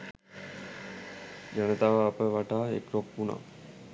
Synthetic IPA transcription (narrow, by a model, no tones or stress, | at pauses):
d͡ʒanət̪aːʋəapəʋaʈaːḛkɾok̚puna̰